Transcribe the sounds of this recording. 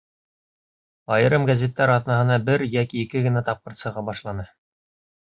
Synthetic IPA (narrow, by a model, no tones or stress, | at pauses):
ɑjɤ̆ɾɤmɡæzʲet̪ːæɾɑðnɑɦɤ̆nɑbɘɾjækikɘɡɘ̆næt̪ɑp̚qɤ̆ɾt̪sɤ̆ʁɑbɑʃlˠɑnɤ